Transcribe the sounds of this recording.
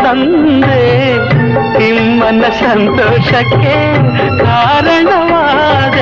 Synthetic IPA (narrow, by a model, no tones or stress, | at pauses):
ɐn | d̪e | t̪imːɐnɐsɐnt̪oːʃɐkeː | d̪ʱaːɾɐɳɐʋaː | d̪e